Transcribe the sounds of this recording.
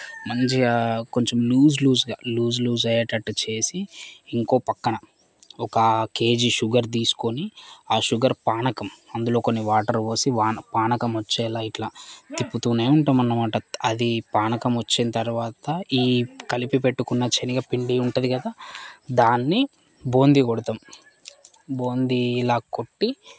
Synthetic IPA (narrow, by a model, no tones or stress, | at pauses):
nɐɲd͡ʒiko̞ɲt͡ʃomljuːzluːzɡa̰ːluːzluːzɐjɐʈɐʈːt͡ʃe̞ːsiːŋko̞ːpɐkːɐɳɐ | ɔkɐke̞ːd͡ʒiʃuɡɐɾt̪̬iːsu̥ko̞niaːʃuɡɐɾpaːɳɐkɐmɐnd̪ulo̞ːko̞nːiʋaːʈɐɾʋoːsiʋaːnpaːnɐkɐmot͡ʃːɛːlajiʈlat̪ipːut̪uneːjuɳʈuːmɐnːɐmaːʈɐɐd̪ipaːnɐkɐmot͡ʃːinɐt̪ɐɾuʋaːt̪ɐiːkɐlipipe̞ʈːukunːɐt͡ʃeniɡapiɳɖiuɳʈud̪iɡɐd̪aːd̪aːnːi | bo̞ːnd̪ikoɽut̪aːm | bo̞ːnd̪ilaːko̞ʈːi